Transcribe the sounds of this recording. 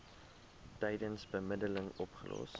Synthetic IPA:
tɛjdənsbəmədələŋɔpχə̰lʔɔ̰s

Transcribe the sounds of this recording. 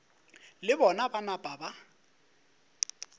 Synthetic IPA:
lɪbɔnabanab̥ʼaba

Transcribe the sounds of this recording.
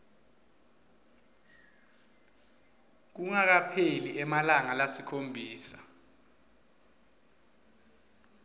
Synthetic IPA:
k̬uŋak̬apʰeliɛmalaŋalasikʰombʱiːsḁ

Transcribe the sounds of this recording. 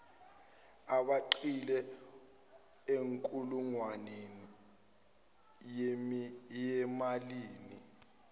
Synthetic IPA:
aɓaǃilɛ | eŋkʼuluŋwanen | jemijɛmaliːni

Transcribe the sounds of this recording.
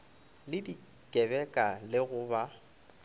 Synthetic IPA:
lɪdi | kʼɛbɛkʼalɪɣʊba

